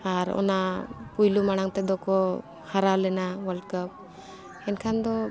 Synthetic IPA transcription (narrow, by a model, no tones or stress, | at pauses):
aɾɔ̰napujlumaɽ̃aŋt̪ɛd̪ɔkɔ | haɾawlɛnawəlkəp̚ | ɛnkʰand̪ɔ